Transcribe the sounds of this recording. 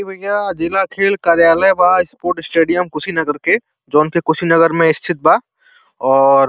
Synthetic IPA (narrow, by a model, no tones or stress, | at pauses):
ibʱɐɡjad͡ʒɪlakʰeːlkaːɾjaːləjbaɪspoːɾʈɪsʈeːɖijəmkʊsinɐɡəɾke | d͡ʒoːnkekʊsinɐɡəɾmẽɪst̪ʰɪt̪̚baː | ɔːɾ